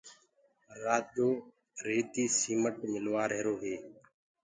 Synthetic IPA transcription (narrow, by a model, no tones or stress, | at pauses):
ɾaːd̪oː | ɾeːd̪iːsiːməʈmɪlʋaːɾeɦɾoːɦeː